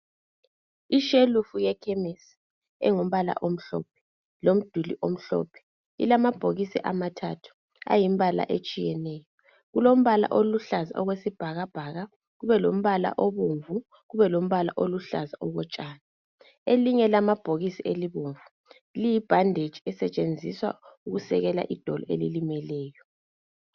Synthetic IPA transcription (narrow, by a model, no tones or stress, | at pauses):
iʃelufujɛkʰɛmesi̥ | ɛ̰ŋom̩βala̰ʔom̩ɬɔ̰ːp̚ʰɛ̥ | lom̩d̥ʱulḭʔom̩ɬɔ̰ːpʰɛ̥ | ḭlamab̥ʱoɣisḭʔamatʰa̰tʰu̥ | a̰jimbala̰ʔet͡ʃʼijɛnɛːjɔ | ɣulom̩βala̰ʔoluɬaza̰ʔɔɣwesib̥ʱaɣab̥ʱaɣa | ɣuβɛlom̩βala̰ʔɔβoɱvu | ɣuβɛlom̩βala̰ʔoluɬa̰zaɔɣɔt͡ʃʼaːna | eliŋɛlamab̥ʱoɣisieliβoɱvu | lijib̥ʱandʱed̥ʒ̥ʱiɛsɛt͡ʃʼend͡zʱiswa̰uɣusɛ̰ɣɛla̰ʔid̥ʱɔlɔʔelilimɛlɛːjɔ